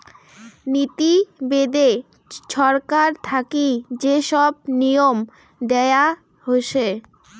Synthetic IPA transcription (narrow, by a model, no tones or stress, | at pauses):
nit̪ibed̪e | ʃɔɾkaɾt̪ʰakid͡ʑeʃɔb̚nijom | d̪ɛea | ɦoʃe